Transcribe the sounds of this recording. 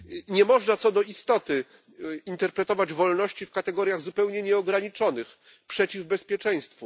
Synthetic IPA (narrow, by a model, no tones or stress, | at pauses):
ɲɛmɔʐnat̪sɔd̪ɔist̪ɔt̪ɘ | int̪ɛɾpɾɛt̪ɔvad͡ʑvɔlnɔɕt͡ɕifkat̪ɛɡɔɾʲjaɣzupɛwɲɛɲɛɔɡɾaɲit͡ʂɔnɘx | pʂɛt͡ɕivbɛspʲjɛt͡ʂɛj̃st̪fu